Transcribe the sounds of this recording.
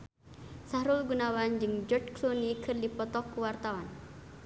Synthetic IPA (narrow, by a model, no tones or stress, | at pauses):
sahɾulɡunawand͡ʒɨŋd͡ʒɔdklunikʰɨrdipɔt̪ɔkːuwart̪awan